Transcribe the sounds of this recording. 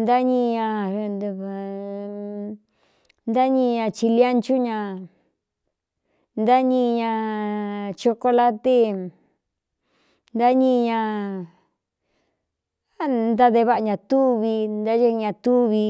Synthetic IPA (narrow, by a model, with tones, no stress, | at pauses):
nd̪a˦ɲĩ˧ɲã˧˨ | nd̪a˦ɲĩ˧ɲã˧t͡ʃi˧lja˦nt͡ʃu˦ɲã˧ | nd̪a˦ɲĩ˧ɲã˧ | t͡ʃo˧ko˧la˦t̪e˦ | nd̪a˦ɲĩ˧ɲã˧ | a˦nd̪a˧ðe˧βa˦˨a˧ɲã˧t̪u˦βi˧nd̪a˦e˦˧ɲã˧t̪u˦βi˧